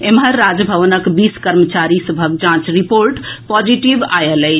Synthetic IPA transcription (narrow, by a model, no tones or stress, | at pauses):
emɦəɾːad͡ʒbʱəʋənəkbiskəɾmət͡ʃaɾisəbʱəɡ̚d͡ʒãt͡ʃɾipoɾʈpɔd͡ʒiʈibajəelɛ